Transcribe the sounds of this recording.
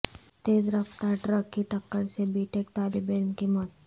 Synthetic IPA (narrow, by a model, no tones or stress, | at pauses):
t̪ed͡zɾəft̪aɖɾəkːiʈʰəkːəɾsebiːʈʰek̚t̪alibemkimət̪̚